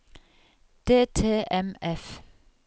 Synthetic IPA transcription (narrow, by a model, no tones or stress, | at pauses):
d̪̥eːt̪ʰḛːʔɛmɛf